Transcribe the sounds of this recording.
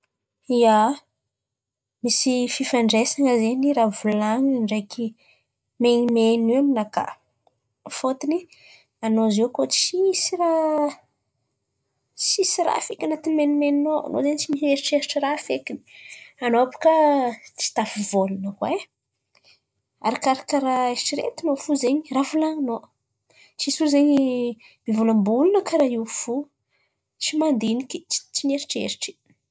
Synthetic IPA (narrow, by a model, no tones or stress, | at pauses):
ia | misififaɳɖ͡ʐesaŋəzeniɾavulaŋiaɳɖ͡ʐejki | menimeniaminaka̰ | fot̪ini | anozekot͡sisra | t͡sisiɾa̰fekʲanat̪inmenimeninoa̰no̰zenit͡ʃimiseɾiʈ͡ʂeɾiʈ͡ʂəɾafekʲini̥anoapu̥kat͡si̥t̪afivolunəkwe | a̰ɾakaɾakaɾaeɾiʈ͡ʂiɾḛt̪inofuzeɲiravulaŋino | t͡ʃisuzeɲi | mivulambulunəkaɾaiwfu | t͡ʃimand̪inikʲi̥t͡ʃi̥t͡ʃineɾiʈ͡ʂḛɾiʈ͡ʂi̥